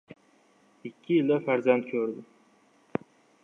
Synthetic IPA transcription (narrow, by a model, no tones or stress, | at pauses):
ɪkʲʰːɪjɪld̪afaɾzant̪̚kʲʰɵɾd̪ɪ